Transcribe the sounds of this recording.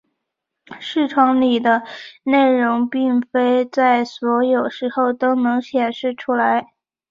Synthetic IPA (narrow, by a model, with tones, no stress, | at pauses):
ʂɻ̩˥˩ʈ͡ʂʰwɑ˧˥ŋli˨˩d̪ə˦ne˥˩ɪɻʊ˧˥ŋpi˥˩ŋfe˥ɪt͡sa˥˩ɪswɔ˧˥jo˨˩ʊʂɻ̩˧˥xo˥˩ʊt̪o˥ʊnɤ˧˥ŋɕjɛ˨˩nʂɻ̩˥˩ʈ͡ʂʰu˥la˧˥ɪ